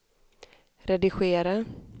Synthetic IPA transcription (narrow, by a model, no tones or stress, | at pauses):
ɾɛd̪ɪɧeːɾa